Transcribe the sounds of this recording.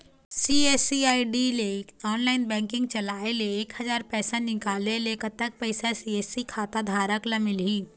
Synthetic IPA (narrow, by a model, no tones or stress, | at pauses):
sieːsiaːiɖileɔːnlaːɪnbɛ̃ːŋkɪ̃ŋɡ̚t͡ʃɐlaːeleeːkhəzaːɾpɛːsanɪkaːleleːkət̪ək̚pəɪsasiːeːsikʰaːt̪ad̪ʱaːɾəklɐmɪlɦiː